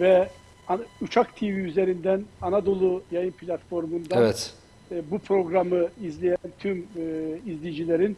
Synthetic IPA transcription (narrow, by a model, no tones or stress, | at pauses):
vɛ | aut͡ʃʰakt̪ʰiviyzeɾind̪ænanad̪o̞lˠujajɯnpʰlʲat̪fo̞ɾmund̪aavɛt̪ː | bupʰɾo̞ɡɾamɯizlʲejænt̪ʰymizlʲijid͡ʒilʲeɾin